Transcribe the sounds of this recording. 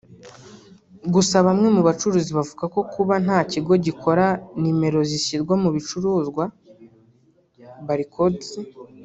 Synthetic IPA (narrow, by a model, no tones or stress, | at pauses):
ɡusaβamŋe̞muβat͡ʃuɾuːziβavuɡako̞kuβanaːciɡo̞ɟikʰo̞ɾanime̞ɾo̞zisiɾɡwamuβit͡ʃuɾuːzɡwa | βaɾikʰo̞zi